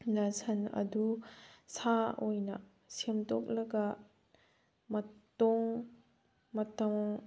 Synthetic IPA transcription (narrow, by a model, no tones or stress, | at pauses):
nɐsɐnɐ̰dusaojnɐ̰ | semtok̚lɐɡɐ | mɐtoŋ | mɐtɐŋ